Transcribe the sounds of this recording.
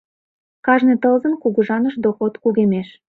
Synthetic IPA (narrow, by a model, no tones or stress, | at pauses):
kɑʒnet̪əlzənkuɣuʒɑnəʃd̪oxot̪kuɣemeʃ